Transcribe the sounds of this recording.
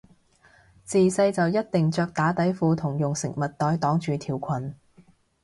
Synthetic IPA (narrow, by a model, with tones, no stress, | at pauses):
t͡siː˨sɐ˧jt͡sɐ˨wjɐ˥t̚t̪ɪ˨ŋt͡ʃœː˧k̚t̪aː˨˥t̪ɐ˨˥jfuː˨˧t̪ʰʊ˨˩ŋjʊ˨ŋsɪ̰˨˩ŋ̚mɐ˨t̚t̪ɔː˨˧jt̪ɔː˨˥ŋt͡ʃyː˨t̪ʰiː˨˩wkʷʰɐ˨˩n